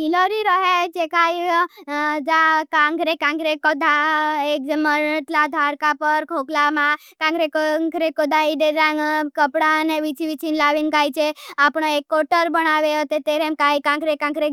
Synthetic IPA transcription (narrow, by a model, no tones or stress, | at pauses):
iloɾiɾɔɦet͡ʃekaj | d͡ʒakãŋɡɾekãŋɡɾekɔd̪ʱaekd͡ʒməɾʈlad̪ʱaɾkapəɾkʰoklamã | kãŋɡɾekŋɡɾekod̪aiɖeɾakəpɽaneʋit͡ʃʰiʋit͡ʃʰinlaʋinkajt͡ʃʰeapɳ̃oekːoʈəɾbənaʋeɔt̪et̪eɾemkaikãŋɡɾekãŋɡɾe